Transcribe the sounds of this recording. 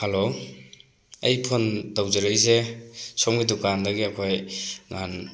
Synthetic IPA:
halo | ejpʰondawzeɾɯjzesɔmɡidukandɐɡiakʰojŋa̰n

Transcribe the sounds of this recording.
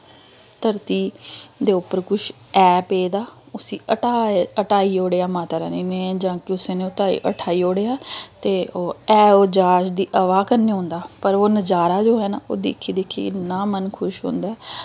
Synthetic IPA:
t̪əɾt̪iːd̪eːʊpːəɾkʊʃ | ɛːpeːd̪aː | ʊsiːəʈaːəʈaːiːoːɽeːaːmãːt̪aɾa̰ːniːnẽːd͡ʒãːkɪʊsẽːnẽːʊt̪aːḭːʔə̰ʈʰaːiːoːɽeːaːt̪eːoːɛːoːd͡ʒaːʃd̪iːʔəʋaːkəɾneːɦõːnd̪aːpəɾoːnəd͡ʒaːɾaːd͡ʒoːɦɛːnaːo̰ːd̪ḛːkʰiːd̪eːkʰːḭːnaːmənkʰʊʃɦõ̰ːnd̪aːɛ

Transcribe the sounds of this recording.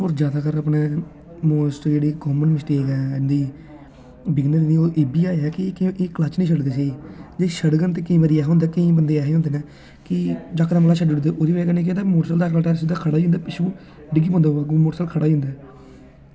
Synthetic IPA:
oːɾd͡ʒjaːd̪aːkəɾaːpneː | moːsʈd͡ʒeːɽiːkoːmənmɪsʈeːkɛːɪnd̪iː | bɪɡnəɾniːoːʔeːbiːaːɛːkɪkːklat͡ʃnĩːʃʰəɽɡeːs̬eːid͡ʒeːʃəɽɡənt̪eːkəĩːʋəd̪iːɛːɦɦõnd̪aːkəĩːbənd̪eːaːɦeːɦõnd̪eːnɛː | kɪd͡ʒaːkɾãbəlaːʃəɖeːɽõd̪eːʔoːd̪iːʋɛːkənẽːket̪aːmoːʈsəld̪aːkɾaːʈɛːɾsɪd̪aːkʰəɽaːd͡ʒĩːnd̪aːpɪʃũː | ɖɪɡiːpõːnd̪aːaːkːmoːʈsəlkʰəɽaːd͡ʒõːnd̪ɛː

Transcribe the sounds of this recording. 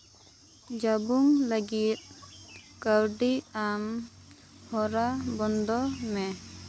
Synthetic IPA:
d͡ʒabuŋləɡit̪̚kawɖiam | hɔɾabɔnd̪ɔmɛ

